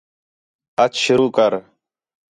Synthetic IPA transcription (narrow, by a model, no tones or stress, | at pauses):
ət͡ʃʃʊɾuːkəɾ